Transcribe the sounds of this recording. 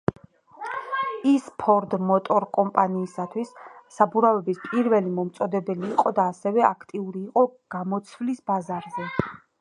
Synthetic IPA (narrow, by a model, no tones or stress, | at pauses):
ispʰɔɾd̪mɔt̪ʼɔɾkʼɔmpʼaniːsat̪ʰwisːabuɾavɛbispʼiɾvɛlimɔmt̪sʼɔd̪ɛbɛliːqʼɔd̪aːsɛvɛakʰt̪ʼiuɾiːqʼɔɡ̥amɔt̪sʰvlisbazaɾzɛ